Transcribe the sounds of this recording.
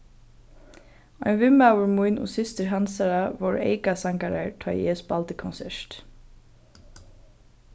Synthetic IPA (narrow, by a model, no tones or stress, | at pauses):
ɔjnvɪmawʏɹmujnʊ̰sɪst̪ɪɹɦansaɹavowɹḛjkasaŋkaɾa̰ɹt̪ʰɔːɛːsbalt̪ɪkʰɔnsɛɹ̥t̪